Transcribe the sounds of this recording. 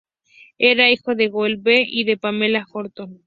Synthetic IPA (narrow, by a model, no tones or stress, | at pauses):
eɾaixoðeɣolbeiðepamelaxoɾt̪on